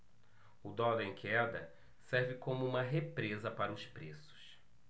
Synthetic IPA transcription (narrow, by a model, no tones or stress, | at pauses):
ʊd̪ɔlẽkɛd̪ɐ | sɛɾvɪkõmʊũmɐɦepɾezɐpaɾɐʊspɾesʊ̥s